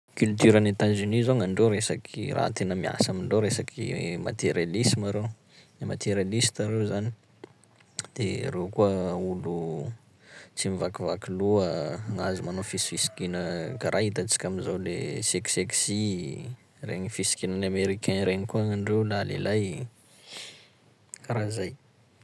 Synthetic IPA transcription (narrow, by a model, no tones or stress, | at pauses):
kylt̪yɾanet̪azynizoŋaɳɖ͡ʐewɾesakʰira̰ɦa̰t̪enəmia̰samiɳɖ͡ʐewɾesakʰḭma̰t̪eɾjalisimaɾew | emat̪ʰeɾjalist̪aɾewzani | d̪̥ḛɾewkuəulu | t͡simivakivakiluəːŋazumanofisi̥fisi̥kinəkaɾʔaɦit̪at͡si̥kʲamizawlḛsekseksi | rḛɲifisi̥kinanameɾikɛniɾeɲikuaŋaɳɖ͡ʐewlalḛlaj | aɾazaj